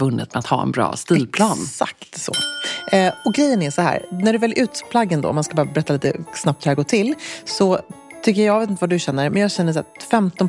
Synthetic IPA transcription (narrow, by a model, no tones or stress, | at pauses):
ɵnːɪ̰t̪mɛat̪hɑ̰ːɛ̰nbɾɑ̰ːst̪iːlpʰlɑːnsa̰kt̪sɔ̰ | ɔɡɾɛjːənæʂɔhæ̰ːɾnæɖɵvɛlːʔʉ̟ːt̪pʰlaɡːənd̪ɔ̰ːmanskabɑːɾabɛɾɛt̪ːaliːt̪ə̰snap̚t̪hʉɾhæɾɡoːʈʰɪlsɔt̪ʰʏkːəjjɑɡveːt̪ɪnt̪vadɵɕɛnːəɾmʔɛnjɑːɡɕɛnːəʂ̬ɔfɛmt̪ɔn